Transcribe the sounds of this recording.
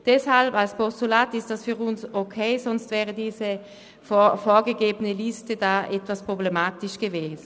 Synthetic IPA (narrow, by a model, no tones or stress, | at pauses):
d̥ɛshalbalspɔstulaːtɪstd̥asfyːʁʊnsokʰeɪsɔnstvɛːʁədiːzə | ffɔːɐɡəɡeːbənəlistədaːʔɛtvaspʁ̥oblemaːtɪʃɡ̥əveːzən